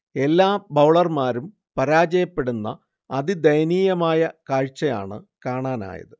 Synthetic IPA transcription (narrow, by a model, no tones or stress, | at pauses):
e̞lːaːbɐwɭɐrmaːɾum | pɐɾaːd͡ʑɐjɐpːe̞ɽunːɐ̰ː | ðid̪ɐjɐniːjɐmaːjɐkaːɻt͡ɕːɐja̰ːɳɨkaːɳaːna̰ːjɐ̰ðɨ